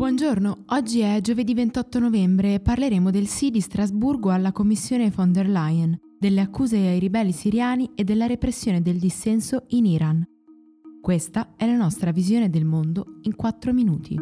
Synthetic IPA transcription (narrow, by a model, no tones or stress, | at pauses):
bwɔnd͡ʒornoɔd͡ʒːiɛd͡ʒoved̪ivent̪ɔt̪ːonovɛmbɾeːpːarleɾeːmod̪elsid̪ist̪ɾazburɡoalːakomːisːjoːnefond̪erlajn | d̪elːeakːuːzeajɾibɛlːisiɾjaːnied̪ːelːaɾepɾesːjoːned̪eld̪isːɛnsoiniɾʔan | kwest̪aɛlanɔst̪ɾavizjoːned̪elmond̪oiŋkwat̪ːɾominuːt̪ʰḭ